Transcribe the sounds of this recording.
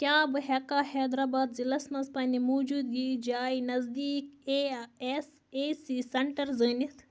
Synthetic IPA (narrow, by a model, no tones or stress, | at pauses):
kʲjãːbɨɦekaːhɛːd̪ɾaːbaːd̪zilɐsmɐspɐ̃ːnd̪ʲimoːd͡ʒuːd̪ɡiːd͡ʒaːinɐzd̪iːkes | esiːsɐɳʈɐɾzəːnit̪ʰ